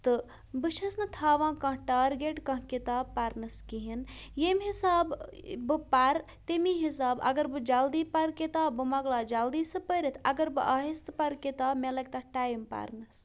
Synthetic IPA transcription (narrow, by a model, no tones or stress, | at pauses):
t̪ɨ | bɨʃʰɐsnɨt̪ʰaːʋãːkɐ̃ɦʈaːɾɡeʈkɐ̃ɦkit̪aːbpaɾnɐskiɦinjemɦisaːbbɨpaɾ | t̪emiɦis̬aːbɐ̰ɡɐɾbɨd͡ʒald̪iːpɐɾket̪aːbɨmɐɡlaːd͡ʒɐld̪iːsɨpəɾit̪ʰɐ̰ɡɐɾbɨʔaːɦist̪pɐɾkit̪aːmelɐk̚ʲt̪ɐʈaːjimpa̰ɾnɨs